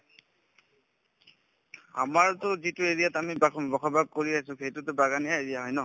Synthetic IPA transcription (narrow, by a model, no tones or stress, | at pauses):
a̰maɹtʊzitʊeɹijatamibabɔkʰɔbaɡ̚koɹias̬ʊ̃xejtʊtʊbaɡanijaeɹijaɦɔjnɔ